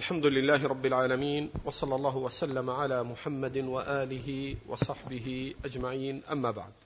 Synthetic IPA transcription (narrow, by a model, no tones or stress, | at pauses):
ʔalħamd̪ʊlɪlːaːhɪɾˤɑbːɪlʕaːlamiːnwɑsˤɑlːɑlˤːɑːɦʊwasalːamaʕalaːmʊħamːad̪waʔaːlɪɦɪwɑ̰sˤɑħbɪɦɪʔad͡ʒmaʕiːnʔamːaːba̰ʕd̪̚